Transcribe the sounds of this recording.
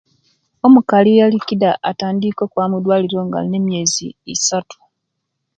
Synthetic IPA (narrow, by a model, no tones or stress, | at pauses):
o̞mukalijalikidaʔataːndiko̞kwaːmudwaːliɾo̞ŋɡa̰ne̞mje̞ːzḭːsatu̥